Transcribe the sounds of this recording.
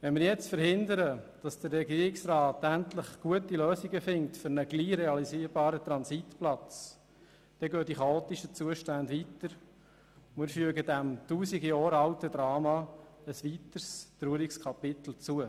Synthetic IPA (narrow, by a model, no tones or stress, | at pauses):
ʋɛnmɪːɾjɛt͡stfəɾhɪndəɾəd̥ɑsd̥ərːɛɡiːɾɪksrɑːtæntləχɡ̥uətiløːsiɡəfɪŋ̚tfʏɾnəɡ̥liːɾɛɑliziːɾbɑːɾətɾɑnsitplɑt͡s | d̥ɛɡøːd̥iχɑoːt̪iʃət͡suəʃtændʋitəɾ | mɪːɾfyəɡədæmtuːsiɡijɔːɾɑltəd̪ɾɑːmɑ | əsʋitəɾst̪ɾyəɾɪkskʰɑpɪtl̩t͡suə